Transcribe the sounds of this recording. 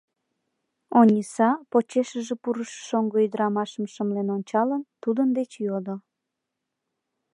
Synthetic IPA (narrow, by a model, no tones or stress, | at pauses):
onʲisɑpot͡ɕeʃəʒepuɾəʃʃoŋɡoid̪ɾɑmɑʃəmʃəmlenonʲt͡ɕɑlənt̪ud̪ənd̪et͡ɕjod̪o